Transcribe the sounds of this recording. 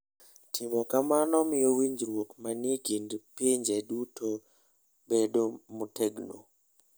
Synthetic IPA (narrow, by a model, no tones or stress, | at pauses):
tʰɪmɔkamanɔmɪjowiɲd͡ʒɾwokmanjekindpiɲd͡ʒeduto | bedomutɛɡno̰